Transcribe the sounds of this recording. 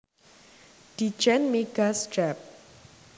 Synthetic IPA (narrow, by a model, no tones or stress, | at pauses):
d̥i̥d͡ʒɛnmeɡ̥asd͡ʒɛp̚